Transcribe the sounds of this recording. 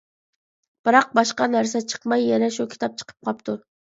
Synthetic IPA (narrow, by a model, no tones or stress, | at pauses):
b̥ɨɾɑq̚bɑʃqɑnæɾsɛt͡ʃʰə̥qmɑjːɛnɛʃukʲʰi̥t̪ʰɑp̚t͡ʃʰə̥qʰə̥p̚qʰɑpt̪ʰuɾ